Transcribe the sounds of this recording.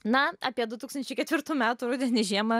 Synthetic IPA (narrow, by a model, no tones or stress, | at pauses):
nɐɑːpʲiɛd̪ʊt̪uːkst̪ɐnt͡ʃʲɛɪkʲɛt̪ʋʲɪɾt̪uːmʲæːt̪ʊːɾuːd̪ʲɛnʲiʒʲiɛmɐ